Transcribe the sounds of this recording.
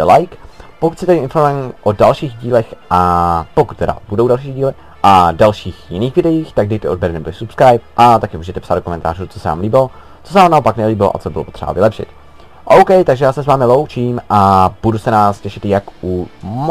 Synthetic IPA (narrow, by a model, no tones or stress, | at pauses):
ɛlajkpokut̪sɪt̪aɪnfoɾmjɛmʔodalʃiːɣɟiːlɛxʔapokut̪̚t̪ɛda̰b̥udowdalʃiːɣɟiːlɪ | ʔadalʃiːxjɪniːxvɪdɛjiːxt̪aɡ̚dɪjt̪ood̚bɛɾɛnɛboɪsupskɾajp̚ʔat̪akɪmuːʒɛt̪ɛpsad̪dokomɛnt̪a̰ːɾut͡sosɛva̰ːmliːbɪlo | t͡sos̬ɛvaːmnaopaknɛliːbɪloʔa̰t͡sobɪlopot̪r̥ɛba̰vɪlɛpʃɪ̰t̪ | ʔowkɛjt̪aɡʒɛjaːsɛsvaːmɪlo̞wt͡ʃiːmʔab̥udusɛnaːscɛʃɪt̪jakum